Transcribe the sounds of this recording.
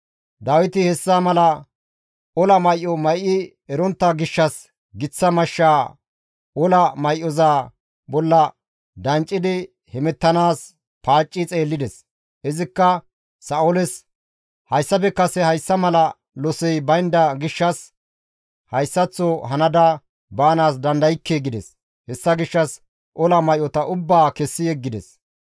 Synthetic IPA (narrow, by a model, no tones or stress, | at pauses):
d̪aːwɪt̪ɪhɛsːamɐlɐ | ɔlɐmɐjʔːɔmɐjʔɪ | ɛɾɔnt̪ːɐɡɪʃːɐs | ɡɪt͡sːɐmɐʃːaː | ɔlɐmɐjʔːɔzaː | bɔlːɐ | d̪ɐnt͡ʃʼːɪd̪ɪ | hɛmɛt̪ːɐnaːs | paːt͡ʃʼːɪt͡sʼe̞ːlːɪd̪ɛs | ʔɪzɪkːɐː | ɐɔlɛs | hɐjsːɐpɛkːɐsɛhɐjsːɐmɐlɐ | lɔsɛjbɐjnd̪ɐɡɪʃːɐs | hɐjsːɐt͡sːɔɦɐnɐd̪ɐ | baːnaːs̬d̪ɐnd̪ɐjɪkːeːɡɪd̪ɛs | hɛsːɐɡɪʃːɐs | ʔɔlɐmɐjʔɔt̪ɐʔʊbːaːkɛsːɪjɛɡːɪd̪ɛs